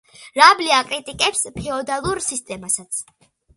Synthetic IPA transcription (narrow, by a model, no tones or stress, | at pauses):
ɾabliakʼɾit̪ʼikʼɛpspʰɛɔd̪alˠuɾsist̪ʼɛmasat̪sʰ